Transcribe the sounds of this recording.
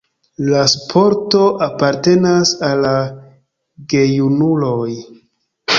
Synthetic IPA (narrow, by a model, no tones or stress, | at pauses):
laspʰo̞ɾto̞ʔapaɾte̞nasalːa | ɡe̞junulo̞j